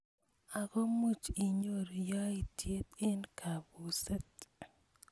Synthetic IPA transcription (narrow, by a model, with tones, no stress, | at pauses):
a˨ko˦mu˦t͡ʃi˨ɲo˦˨ɾja˦i˨tje˦t̪ɪ˦nkʰa˨bu˨sɛ˦t̚